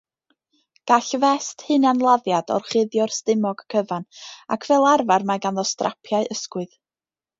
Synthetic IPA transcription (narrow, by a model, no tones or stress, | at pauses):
ɡ̥aɬvɛsthɨnanlˠaðjadɔ̰rχɪðjɔrstɪmɔɡ̥kʰəvana̰kʰvɛlˠarvarmaɡanðɔstrʔa̰pʰjaɨʔəskwʊð